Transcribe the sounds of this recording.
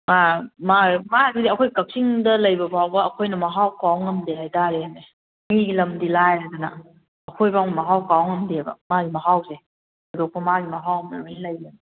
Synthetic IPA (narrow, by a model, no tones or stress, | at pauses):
mamamaɡidiɐkʰojkap̚siŋdɐlɐjbɐpʰawbɐɐkʰojnɐmaɦawkawŋɐmdelajdaɾeame | miɡilɐmdilajazanɐ̰ | ɐkʰojbaŋmaɦawkawŋɐmdeabɐ̰maɡimaɦawse | adok̚pɐmaɡimaɦawɐma̰miŋlaja